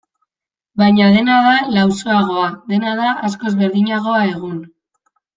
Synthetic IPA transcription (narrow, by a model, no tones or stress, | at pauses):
bajɲaðe̞nað̞alawso̞aɣ̞o̞aðe̞nað̞aʔasko̞ezβe̞ɾðiɲaɣo̞ae̞ɣ̞un